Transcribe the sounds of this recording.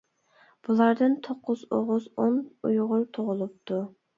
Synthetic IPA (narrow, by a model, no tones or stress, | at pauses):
b̥ulˠɑɾd̪ɨnt̪ʰoqːʊzo̰ʁʊzonujʁʊɾt̪ʰoʁʊlˠup̚t̪ʰu